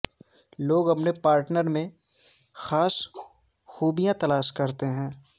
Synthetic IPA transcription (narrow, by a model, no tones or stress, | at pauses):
loːɡɦɐpnepaːɾʈnəɾmẽ | xaːs | xuːbijãt̪ɐlaːʃkɐɾt̪eɦɛ̃ː